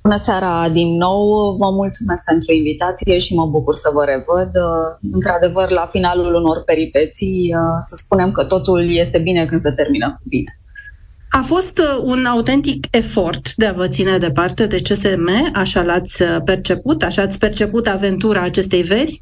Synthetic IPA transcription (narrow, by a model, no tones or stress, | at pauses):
b̥unəseaɾad̪inːo̞wvəmult̪sume̞sk̚pe̞nt̪ɾuinvit̪at̪sije̞ʃiməbukursəvəɾe̞vəd̪ɨnt̪ɾad̪e̞vərlafinaluluno̞rpe̞ɾipet̪sijsəspune̞mkət̪o̞t̪ulje̞st̪e̞bine̞kɨnd̪sət̪erminəkubine | afo̞st̪unaut̪e̞nt̪ike̞fo̞rt̪d̪e̞avət̪sine̞d̪e̞part̪e̞d̪e̞t͡ʃe̞se̞me̞aʃalat̪sʲəpe̞rt͡ʃe̞put̪aʃaːt̪sʲpe̞rt͡ʃe̞put̪ave̞nt̪uɾaːt͡ʃe̞st̪e̞jve̞rʲ